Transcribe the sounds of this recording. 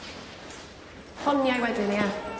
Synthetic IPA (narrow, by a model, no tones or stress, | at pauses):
hɔnjajwɛdɪnɪa